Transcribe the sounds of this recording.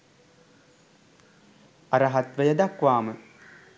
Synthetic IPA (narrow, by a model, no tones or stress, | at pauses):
ɐɾɐɦat̪ʋəjɐd̪akʋaːmə